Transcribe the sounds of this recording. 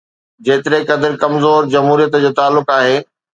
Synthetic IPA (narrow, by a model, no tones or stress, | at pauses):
d͡ʑeːt̪ɪɾekɐd̪əɾkɐmzoːɾd͡ʑɐmɦuːɾijət̪d͡ʑoːt̪aːlːʊkaːɦeː